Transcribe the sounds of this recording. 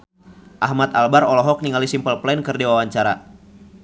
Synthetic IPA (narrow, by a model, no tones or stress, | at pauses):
ʔaɦmat̪albaɾɔlɔɦɔk̚niŋalisimpəlplainkɨrdewawaɲt͡ʃaɾa